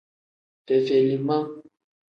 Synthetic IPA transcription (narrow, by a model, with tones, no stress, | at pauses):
fɛ˨fe˨li˨ma˦